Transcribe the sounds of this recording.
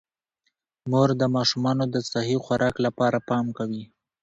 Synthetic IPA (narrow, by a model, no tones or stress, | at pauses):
moɾd̪əmɑʃumɑnod̪əsaɦixwaɾʔɑklapɑɾapɑmkawi